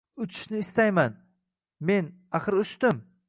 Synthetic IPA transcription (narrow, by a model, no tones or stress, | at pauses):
ʊt͡ʃʰɪ̥ʃnɪɪst̪ajman | me̞n | aχɨɾʊʃt̪ɪm